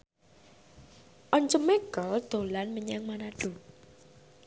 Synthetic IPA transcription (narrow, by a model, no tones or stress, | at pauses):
ʔɔɲt͡ʃəmeɡ̥ɔld̪̥o̤lanməɲaŋmanaɖ̥o̤